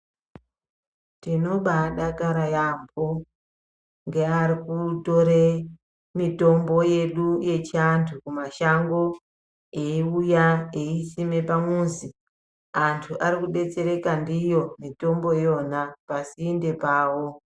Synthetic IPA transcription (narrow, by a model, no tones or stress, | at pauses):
tino̞ɓaɗakaɾajambo | ŋɡe̞aɾikuto̞ɾe | mito̞mbo̞je̞ɗuje̞t͡ʃantʰukumaʃaŋɡo̞ | eiujaeisime̞pamuːnzi | antʰuʔaɾikuɓe̞t͡se̞ɾe̞kandijo̞mito̞mbo̞jo̞napasiːnde̞paːwo